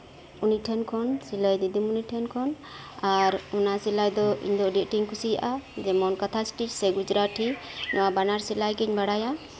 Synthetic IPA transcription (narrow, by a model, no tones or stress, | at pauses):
uniʈʰɛnkʰɔnsilajd̪id̪imuniʈʰɛnkʰɔn | aɾunaʔsilajd̪ɔḭɲd̪ɔɖɛʔʈiŋkʰusija̰ʔad͡ʒɛmɔnkat̪ʰasʈit͡ʃsɛɡud͡ʒɾaʈʰinɔwabanaɾsilajɡiɲbaɽaja